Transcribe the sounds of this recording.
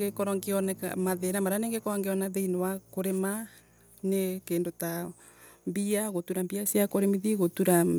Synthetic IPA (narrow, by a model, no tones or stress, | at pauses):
ɡekɔɾɔŋɡeɔnɛka̰maðenamaɾaneŋɡekɔɾɔŋɡeɔnaðeinowakoɾema | nekendota | mbiaɣotuɾambiasjakoɾemiðiɣotuɾa